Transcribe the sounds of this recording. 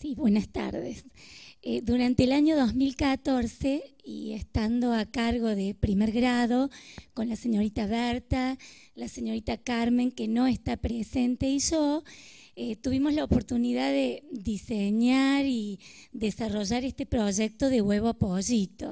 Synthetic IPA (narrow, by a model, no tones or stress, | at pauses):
siβwenast̪a̰ɾðḛseðuɾant̪eːlaɲoðo̞zmilkat̪o̞ɾseḭest̪and̪o̞akaɾɣo̞ðepɾimeɾɣɾaðo̞ko̞nlaseɲo̞ɾit̪aβɛɾt̪a | laseɲo̞ɾit̪akaɾme̞ŋkeno̞est̪apɾesent̪eiʒo | et̪uβimozlaopoɾt̪uniðaðeðiseɲaɾiðesaroʒaɾest̪epɾoʒek̚t̪oðeɣweβoapoʒit̪o̰